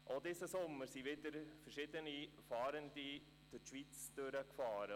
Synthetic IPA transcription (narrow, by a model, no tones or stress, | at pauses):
ʔod̪ɪsəsʊmːəɾsiʋɪd̪əɾfəɾʃɪdənifɑːɾəndi | d̥ɪʃʋit͡sd̥øɾəkfɑːɾə